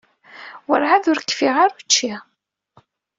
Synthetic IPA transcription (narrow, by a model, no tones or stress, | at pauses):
wə̰ɾʕaðʊɾkːfiʁaɾut͡ʃːi